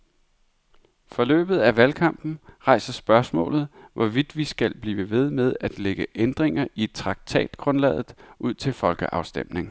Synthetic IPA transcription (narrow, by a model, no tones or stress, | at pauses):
fɒ̽lø̰ːb̥ð̞̩ˠæʋælkʰɑ̈m̰b̥n̩ʁɑ̈ɪ̰sɐsb̥ɶɐsmɔ̰̽ːlð̩ˠʋʔɒʋid̥ʋisɡ̥ælb̥liːʋəʋe̝ð̞ˠmeð̞ˠæd̥leɡ̥əʔend̥ʁeŋɐʔit͡sʰʁɑ̈ɡ̥̚t͡sʰɛ̰ːd̥ɡ̥ʁɔ̽nlɛ̰ːðˠð̩ˠuð̞̰ˠt͡sʰe̝lfɒ̽lɡ̥əʔɑ̈ʊsd̥em̰ne̝ŋ